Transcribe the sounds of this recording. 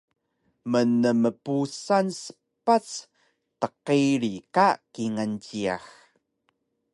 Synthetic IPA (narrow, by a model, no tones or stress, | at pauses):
mənəməpusansə̥ | pat͡s | təqiɾikakiŋant͡ɕia̰x